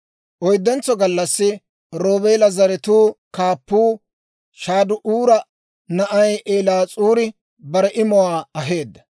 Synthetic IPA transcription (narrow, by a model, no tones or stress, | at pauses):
ʔɔjd̪ːɛnt͡sːɔɡɐlːɐsːɪ | ɾoːbeːlɐzɐɾɛt̪uːkaːpːuː | ʃaːd̪ʊʔuːɾɐ | nɐʔɐjʔeːlaːt͡sʼuːɾɪ | bɐɾɛʔɪmɔwaːɐɦeːd̪ːɐ̥